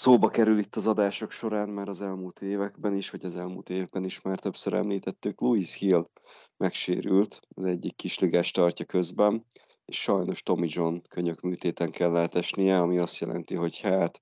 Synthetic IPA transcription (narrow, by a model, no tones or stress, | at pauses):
soːbɒkɛɾylit̪ːɒzɒd̪aːʃo̞kʃo̞ɾaːnmaːɾɒzɛlmuːlt̪eːvɛɡbɛniʃʋɒɟɒzɛlmṵːlt̪eːvbɛniʃmaːrt̪ø̞psøɾɛ̰mliːt̪ɛt̪ːykluishil | mɛkʃḛːɾylt̪ɒzɛɟːikːiʃliɡaːʃt̪ɒrcɒkø̞zbɛn | eːʃʃɒjno̞ʃt̪o̞mid͡ʒo̞nkøɲø̞kmyːt̪eːt̪ɛŋkɛlːaːt̪ɛʃnijɛɒmiɒst̪jɛ̰lʔɛ̰nt̪iɦo̞chaːt̪